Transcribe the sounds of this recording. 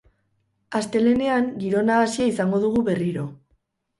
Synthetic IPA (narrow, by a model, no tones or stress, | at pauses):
ast̪e̞le̞ne̞aŋɡiɾo̞naːsiaisaŋɡo̞ð̞uɣuβe̞riɾo̞